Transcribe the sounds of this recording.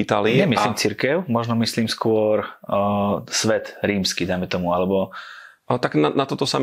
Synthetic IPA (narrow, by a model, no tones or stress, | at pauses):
it̪aliɲɛmiliːmt͡siɾkɛʊmɔʒnɔmisliːmskʊɔɾ | sʋɛt̪ɾiːmskid̪ajmɛt̪ɔmualɛbɔ | alɛt̪aɡnanat̪ɔt̪ɔsam